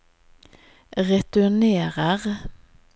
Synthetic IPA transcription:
ʁɛt̪ʉɳeːʁəʁ

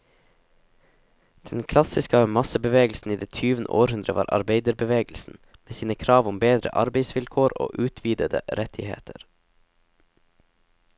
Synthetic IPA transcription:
d̪̥ɛnkʰlɑsɪskəmɑsəbəʋeːɡl̩sn̩iːd̪eːt̪ʰyːʋənə̰ʔoːɾhʉnd̪ɾəʋɑ̰ːɾʔɑ̰ɾbeɪd̪əɾbəʋeːɡl̩sn̩meːsiːnəkʰɾɑːʋʊmbeːd̪ɾə̰ʔɑɾbeɪsʋɪlkʰoːɾo̰ːʔʉːt̪ʰʋiːd̪əd̪ə̰ɾɛt̪ʰɪhḛːt̪ʰəɾ

